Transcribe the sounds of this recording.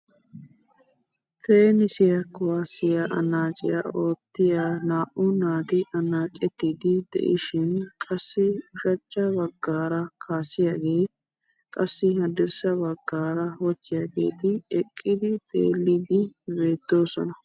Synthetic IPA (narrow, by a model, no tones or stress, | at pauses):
keːnɪsɪjɐkʊwaːsɪjaʔɐ̰nːaːt͡ʃʼɪ̰jao̞ːt̪ːɪjanaːʔʊnaːt̪ɪʔɐnːaːt͡ʃʼːɛt̪ːid̪ɪd̪ɛ̰ʔɪ̰ʃɪnkʼɐsːɪʊʃɐt͡ʃʼːɐbɐɡːaːɾɐkʰaːsɪjaɡe̞ː | kʼɐsːɪhɐd̪ɪɾsɐbɐɡːaːɾɐwɔt͡ʃːɪjaːɡe̞̰ːt̪ɪɛkʼːɪd̪ɪt̪ʼḛːlːɪd̪ɪbe̞ːd̪̥ːo̞ːsɔnɐ